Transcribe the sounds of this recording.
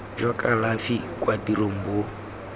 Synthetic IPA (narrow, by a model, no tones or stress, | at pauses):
d͡ʒwakʼalafikʼwadiɾom̩bo